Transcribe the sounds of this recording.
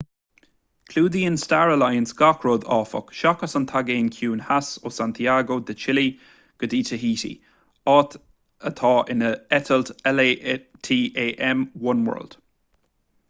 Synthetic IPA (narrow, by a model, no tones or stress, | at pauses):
kʰluːd̪iːɪnstaɹəlajənsɡakʰɹoːd̪ɔːfə̰kʃɔkasənt̪ʰaɡeːnkʰjuːnhasoːsant̪ʰiaɡoːd̪ət͡ʃʰɪli | ɡ̥ədiːtʰəɦiːtḭ | ɔːt̪ | ət̪ʰɑːʔɪnəɛtʰəlt̪ɛlet̪ʰiːʔeːʔɛmwʊnwɜ̰ɹld̥